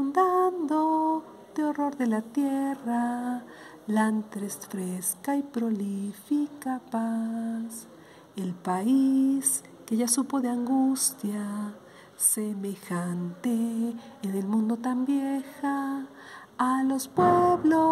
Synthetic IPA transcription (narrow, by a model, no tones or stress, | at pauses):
und̪and̪o | d̪eo̞ro̞ɾðe̞lat̪jera | lant̪ɾesfɾeskaipɾo̞lifikapas | elpais | keʝasupo̞ðeaŋɡust̪ja | semexant̪eː | ðelmũnd̪o̞t̪ambjexaː | lo̞spweβlo